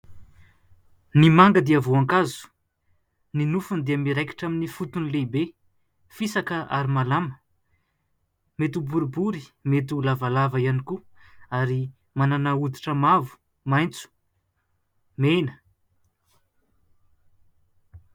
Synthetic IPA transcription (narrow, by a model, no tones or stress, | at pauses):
nimaŋɡəd̪eavoaŋkazu̥ | ninufund̪eamiɾajki̥ʈ͡ʂaminifut̪unilebe | fisakəʔa̰ɾimalamə̥ | met̪ubuɾubuɾimet̪̬ulavalavaianiku | aɾi | mananaud̪iʈ͡ʂəmavu̥ | majnt͡su̥ | menə